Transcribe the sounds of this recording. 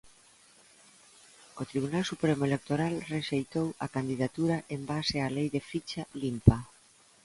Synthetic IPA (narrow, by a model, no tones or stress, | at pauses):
ot̪ɾiβ̞unalsupɾemoelek̚t̪oɾalreʃejt̪owakand̪iðat̪uɾaʔembasealejðefit͡ʃalimpa